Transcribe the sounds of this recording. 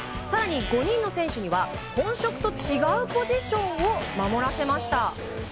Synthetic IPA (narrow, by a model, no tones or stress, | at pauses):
saɾaɲ̟iɡo̞ɲ̟ĩnːo̞sẽ̞ɰ̃ɕɯɲ̟iβa | hõ̞ɰ̃ɕo̞kɯ̥t̪o̞t͡ɕiɡaɯ̟po̞ʑiɕõ̞ɰ̃o̞mamo̞ɾase̞maɕi̥t̪a